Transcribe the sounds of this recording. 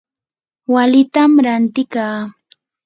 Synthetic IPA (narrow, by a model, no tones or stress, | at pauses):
walɪt̪amɾant̪ɪkaː